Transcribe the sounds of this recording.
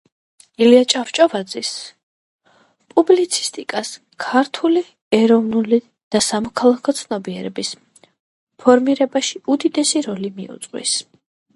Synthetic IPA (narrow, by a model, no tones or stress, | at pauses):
iliat͡ʃʼaft͡ʃʼɔvad̪zis | pʼublit̪sʰi̥st̪ʼikʼas | kʰaɾt̪ʰuli | ɛɾɔvnuli | d̪̥asamɔkʰalˠakʰɔt̪sʰnɔbiɛɾɛbis | pʰɔɾmiɾɛbaʃiud̪id̪ɛsiɾɔlimḭṵt̪sʼqʼwḭs